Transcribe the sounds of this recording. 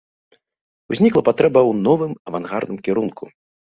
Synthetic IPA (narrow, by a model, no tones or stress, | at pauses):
uzʲnʲiklˠɐpat̪ɾɛbɐwnɔvɨmɐvanɣa̰rd̪ɨmkʲɛɾunku